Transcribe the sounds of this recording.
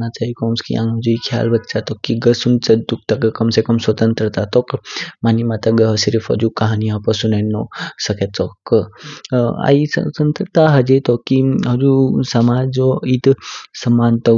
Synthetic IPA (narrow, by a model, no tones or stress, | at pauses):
nat͡ʃaikɔːmskḭã̰ŋɡud͡ʒuikʰja̰ːlbɐk̪̚t͡ʃat̪okːiɡəsunt͡sɐd̪uk̚t̪ɐkkɐmsekɐmswɐt̪ənt̪ɾət̪at̪okmaːnimat̪ɐɡəɦɐsiɾifɐ̰d͡ʒukɐɦaːniapəsunenːosɐket͡sok | a̰isə̰t̪ənt̪ɾət̪aɦɐd͡ʒet̪okːiɦɐd͡ʒusɐmaːd͡ʒoit̪sɐmaːnt̪o